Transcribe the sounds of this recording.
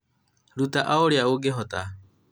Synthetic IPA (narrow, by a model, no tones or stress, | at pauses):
ɾut̪aʔaoɾiauɡeɦot̪a̰